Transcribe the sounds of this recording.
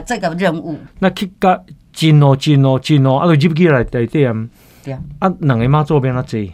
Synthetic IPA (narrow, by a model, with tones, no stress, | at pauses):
t͡sa˥˧˨ka˧˨ɾə˥˧ŋu˥˧˨na˧kʰi˦ka˧ʔ | t͡ɕi˧nɔ˧t͡ɕi˧nɔ˧t͡ɕi˧nɔ˧˨ʔa̰˧˦t̪o˧d͡ʑi˦p̚k̬i˦la˨˩˨t̪a˨˩jt̪e˥˧˨a˧˨m | ʔa˦nɨ˨˩ŋe˧˦mãː˦t͡sɔ˥˧˨bjɛ˧na˧t͡se˧˨